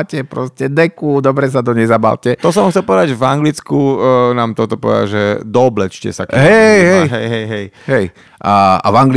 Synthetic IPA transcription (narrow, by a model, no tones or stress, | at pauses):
cɛpɾɔ̰scɛd̪ɛkud̪ɔbɾɛs̬ad̪ɔɲɛzaba̰lcɛɔs̬ɔamxt͡sɛlpɔʋɛd̪aɟʒvaŋɡlit͡skunaːmt̪ɔt̪ɔpɔʋɛ̰d̪a̰ʒɛd̪ɔblɛt͡ʃcɛ̰sakɦɛɦɛjɦɛjɦɛjɦɛj | ɦɛj | ʔaa̰vaŋɡl